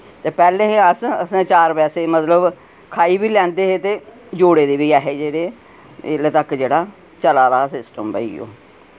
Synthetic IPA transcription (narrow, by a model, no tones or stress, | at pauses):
t̪eːpɛːlẽːẽəsəsẽːt͡ʃaːɾpɛːseːmət̪ləb | kʰaːiːbiːlɛ̃ːnd̪eːɦeːt̪eː | d͡ʒoːɽeːd̪eːbiːaːɦeːd͡ʒeːɽeː | ɪlt̪əkd͡ʒeːɽaː | t͡ʃəlaːɾaːsɪsʈəmbə̰ḭːo̰ː